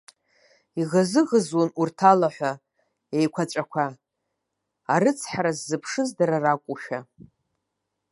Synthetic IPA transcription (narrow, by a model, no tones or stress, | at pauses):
iʁazɨʁəzwonurtʰalaħʷa | ejkʷʰat͡ʃʷʼakʷʰa | ɾɨt͡sʰħaɾazːɨpʰʂɨzdaɾarakʷʼuʃᶣa